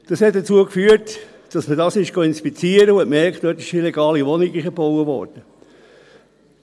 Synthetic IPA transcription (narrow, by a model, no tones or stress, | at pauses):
d̥ɑshɛt̚d̥ət͡suəkfyːət | d̥ɑsmədɑsɪʃɡ̥oɪnspit͡siəɾəʊɛtmɛɾkχtœtɪ̥ʃilɛɡɑːliʋɔnɪɡɪʃəb̥owəʋɔ̰ɾd̥ə